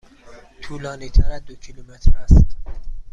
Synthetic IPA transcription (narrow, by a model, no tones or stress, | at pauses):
t̪ʰuːlɒːniːt̪ʰæɾæd̪ocʰilumet̪ʰɾæst̪